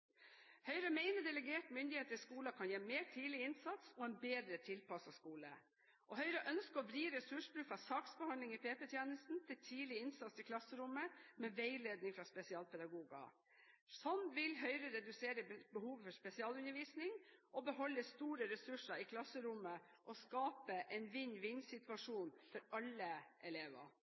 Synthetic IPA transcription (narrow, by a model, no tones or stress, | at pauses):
hœʏɾəmeɪnəɖ̪ɛləɡeːʈmʏnd̪ɪheːt̪əɾɪskuːlɑkʰɑnjeːmeːʈʰiːlɪɪnsɑt̪sɔɛnbeːd̪ɾət̪ʰɪlpʰɑsɑskuːlə̰ | ʔɔɦœʏɾəʔœnskəɾɔbɾiːɾɛsʉʂbɾʉːfɑsɑːksbɛhɑnlɪŋipʰeːpɛt̪ʰjeːnəst̪n̩t̪ʰɪlt̪ʰiːlɪɪnsɑt̪sɪlkʰlɑsːəɾʊməmɛːʋeɪleːd̪nɪŋfɾɑspɛsɪɑːlpʰɛd̪ɑɡuːɡɑ̰ | sɔnʋɪlɦœʏɾəɾɛd̪ʉseːɾəbəhuːʋfɔʂpɛsɪɑːlʉnːəɾʋiːsnɪŋʔɔbəɦɔlːəst̪uːɾəɾɛsʉʂəɪkʰlɑsːəɾʊmːə | ʔɔskɑːpəʔɛnʋɪɲʋɪnsɪt̪ʋɑʂuːnfɔɾɑlːəʔɛleːʋə̰